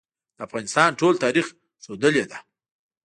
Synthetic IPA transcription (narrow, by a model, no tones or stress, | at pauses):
d̪̥əafɣɑnɪst̪ɑnʈolt̪ɑɾix | sod̪əled̪a